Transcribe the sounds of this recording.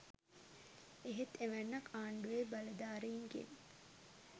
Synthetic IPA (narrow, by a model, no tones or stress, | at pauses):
eɦet̪eʋænːɐkʰaːɳɖuʋeːbɐlɐd̪aːɾeiŋkḛn